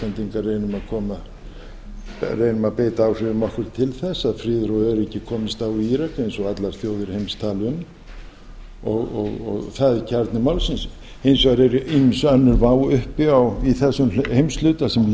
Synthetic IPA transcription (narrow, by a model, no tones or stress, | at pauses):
ant̪iŋkareːjnʏmaðkʰɔːma | rejnʏmaðpeːt̪aːwr̥ɪʏmɔhkvʏɾ̥t̪ʰɪlθɛsːaðfɾɪːðɾoːðɛɾɛcːɪkʰɔːmɪst̪awiiɾakejnsɔɣat̪laɾ̥θjoːwðɪɾhejmst̪ʰaːlʏm | ɔɣɔ̰ɣɔ̰ɣθaðɪcʰaɾt̪nɪmawlsins | ejnsɔɣɾɛɾiɪsœnːʏɾvawʏhpɪawiθɛsːʏmhejmslʏːt̪asɛm